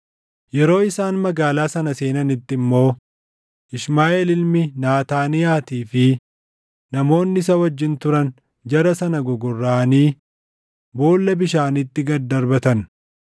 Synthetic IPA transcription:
jɛɾo̞ːɪsaːnmɐɡaːlaːsɐnɐse̞ːnɐnɪt̪ːɪmːo̞ː | ʔɪʃmaːʔelɪlmɪnaːt̪aːnɪjaːt̪iːfɪ | nɐmo̞ːnːɪs̬ɐwɐd͡ʒːɪnt̪ʊɾɐn | d͡ʒɐɾɐsɐnɐɡɔɡɔrːaːniː | bo̞ːlːɐbɪʃaːnɪt̪ːɪɡɐd̪ɐɾbɐt̪ɐn

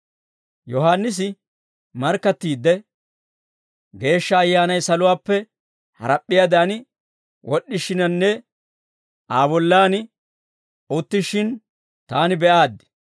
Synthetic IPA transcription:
jɔɦaːnːɪs̬ɪ | mɐɾkːɐt̪ːiːd̪ːɛ | ɡe̞ːʃːɐːjːaːnɐjsɐlʊwaːpːɛ | hɐ̰ɾɐpʼːɪjad̪an | wʔɔɗːɪʃɪnɐnːɛ | aːbɔlːaːnɪ | ʊt̪ːɪʃɪn | t̪aːnɪbɛʔaːd̪ːɪ̥

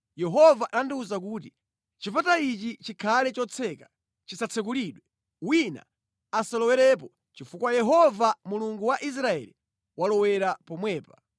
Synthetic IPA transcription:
jɛɦɔvaʔandiuzak̬uːti | t͡ʃifatait͡ʃit͡ʃikʰalɛt͡ʃɔt͡sʰɛkḁ | t͡ʃisat͡sʰɛkuliːɗwɛ | wina̰ː | salɔwɛɾɛp̬ɔ | t͡ʃifukwajɛɦɔvamuluŋɡuwaʔis̬ɾaɛ̰li | walɔwɛɾapɔmwɛːpa

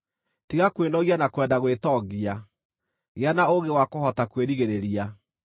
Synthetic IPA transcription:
tiɣakwenɔɣianakwɛndaɣwetɔɣɡia | ɣeanaoɣewakohɔtakweɾiɣeɾeɾia

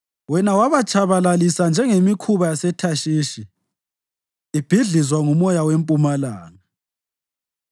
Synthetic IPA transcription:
wɛnawaβat͡ʃʼʰaβalalisand͡ʒʱɛŋemikʰuβajasɛtʰaʃiːʃi | b̥ʱiɮizwaŋumɔjawempʼumalaːna

